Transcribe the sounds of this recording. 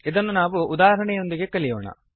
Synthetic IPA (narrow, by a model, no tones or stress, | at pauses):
id̪ɐnːunaːʋuʔud̪aːɦɾɐɳɛjo̞nd̪iɡe̞kɐɭijo̰ːɳɐ̰